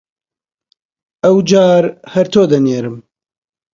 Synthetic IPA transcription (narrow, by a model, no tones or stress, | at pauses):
ɐwd͡ʒaːɾhɐɾt̪ʰoːd̪ɐneːɾɨm